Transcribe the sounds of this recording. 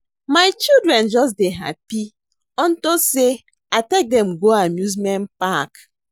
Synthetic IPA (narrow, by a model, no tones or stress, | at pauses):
maɪt͡ʃildɾɛnd͡ʒɔs̬deɦa̰pi | ɔn̩tose | atek̚dɛ̃mɡoamjuzmɛ̃npak